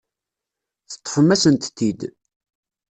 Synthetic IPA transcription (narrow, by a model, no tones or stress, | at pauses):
θə̥t̪ˤːə̥fəmæsənt̪t̪ːid̪